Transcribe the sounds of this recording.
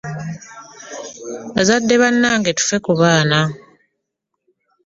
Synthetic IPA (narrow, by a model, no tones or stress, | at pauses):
azadːe̞βanːaːŋɡetu̥fe̞kuβaːna